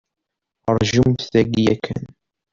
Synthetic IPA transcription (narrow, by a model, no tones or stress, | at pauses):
ɾˤʒumθæɡijækʰːə̰n